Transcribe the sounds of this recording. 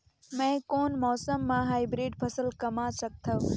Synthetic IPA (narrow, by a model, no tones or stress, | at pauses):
mɛ̃ːkoːnmɔːsəmːãɦaːibɾeːɖpʰɐsəlkɐmãsɐk̚t̪ʰəʋ